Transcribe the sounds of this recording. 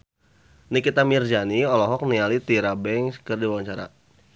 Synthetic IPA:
nikit̪amird͡ʒaniɔlɔɦɔk̚nialit̪iɾabɛŋskərdiwawaɲt͡ʃaɾa̰

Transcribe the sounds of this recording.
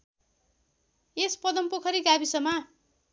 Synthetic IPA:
espʌd̪ʌmpokʰʌɾiɡabisʌma

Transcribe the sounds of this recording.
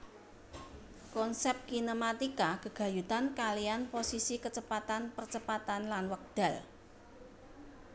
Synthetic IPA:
kɔnsɛp̚kinomat̪ikakəɡ̥a̤jut̪ankalijanposisikət͡ʃəpat̪anpərt͡ʃəpat̪anlanwək̚d̪̥a̤l

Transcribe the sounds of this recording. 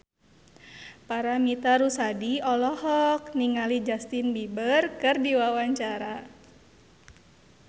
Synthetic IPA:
paɾamit̪aɾusadiɔlɔhɔkniŋalid͡ʒast̪inbibərkɨrdiwawaɲt͡ʃaɾa

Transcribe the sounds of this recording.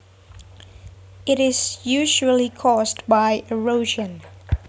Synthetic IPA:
ɪɾɪz̥jʉʒul̩ˠikʰɔsbaɪʔəɹoʊʒə̃n

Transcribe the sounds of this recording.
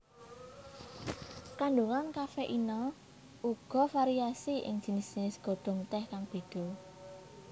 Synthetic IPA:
kaɳɖuŋankafɛʔinɔ | ʔuɡ̥ɔ̤faɾiasiʔɪ̰ŋd̥ʒ̥i̤nɪsd̥ʒ̥i̤nɪsɡ̥o̤d̪̥ɔ̤ŋt̪ɛhkaŋb̥i̤d̪̥o

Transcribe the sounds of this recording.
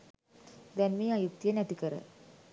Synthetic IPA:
d̪ɛnmiːajuk̚t̪ijənæt̪ikəɾə̰

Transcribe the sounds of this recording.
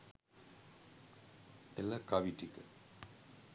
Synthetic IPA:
eləkaʋiʈikə

